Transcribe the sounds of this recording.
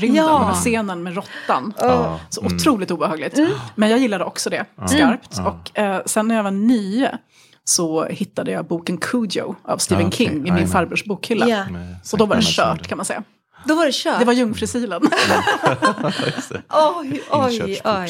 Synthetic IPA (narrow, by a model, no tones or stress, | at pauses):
ɾɪmaseːnənmɛɾɔt̪ːansɔʔʊt̪ʰɾuːlɪt̪uːbəhɑːɡlɪɡt̪mɛnjɑːɡjɪlːad̪əʔɔksɔd̪ɛskaɾpt̪ɔksɛnːæɾjavanyːə̰ | sɔhɪt̪ːad̪əjɑːɡbuːkənkʰud̪ɪɔ̰a̰vst̪iːvənkʰɪŋːɪmɪnfaɾbɾɵʂbuːkhʏlːasɔd̪ɔvaɖɛɕœ̰ːʈkʰanmansɛ̰jːa | d̪ɔvaɖɛʃœːd̪ɛvaɾjɵŋːfɾɪsiːlən | ɔɔj